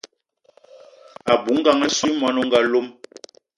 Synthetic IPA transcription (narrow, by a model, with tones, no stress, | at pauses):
a˨bu˨˦ŋ̩˦ɡa˨ŋɛ˦su˦mɔ˨˦nu˦ŋ˦ɡa˨lo˦m